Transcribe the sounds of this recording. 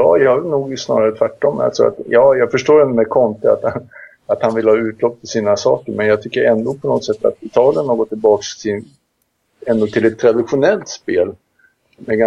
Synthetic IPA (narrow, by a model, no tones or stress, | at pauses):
jɑːjɑanuːɡsnɑ̰ːɾaɾət̪ʰvæʈːɔma̰lt̪sɔa̰t̪jɑːjɑːɡfœʂʈoːɾɛnːmɛkʰɔnt̪əa̰t̪han | at̪hanvɪlhɑːʉ̟ːt̪ʰlɔp̚ːt̪ʰɪlsiːnasɑ̰ːkəɾmɛnjɑːt̪ʰʏkːəɾɛnd̪ɔpʰɔnɔt̪ːsɛt̪ːa̰t̪ɪt̪ʰɑːlɪənhaɾɡɔt̪ːɪlbɑːkst̪ʰɪ | ɛnd̪ɔt̪ʰɪlɛt̪ʰːɾad̪ɪɧʊnɛlt̪speːl | mɛɡa